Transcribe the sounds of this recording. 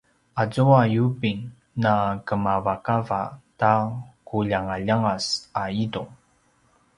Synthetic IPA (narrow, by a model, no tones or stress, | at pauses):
azuajubiŋ | nakəmavakava̰takuʎaŋaʎaŋasaiduŋ